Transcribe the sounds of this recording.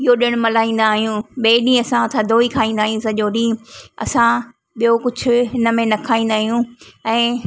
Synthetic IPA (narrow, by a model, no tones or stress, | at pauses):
ɪɦoɗɪɽ̃ʊ̆mɐlaːĩːn̆d̪aːɦijũɓeːɗĩɐsãɐt̪ʰad̪ʱoːikʰaːĩːnd̪aːɦijũsɐʄoːɗĩːɐ̰sã | ɓijokʊd͡ʑʱʊ̆ɦɪnə̆mẽnɐkʰaːĩːn̆d̪aːɦijũɛ̃ː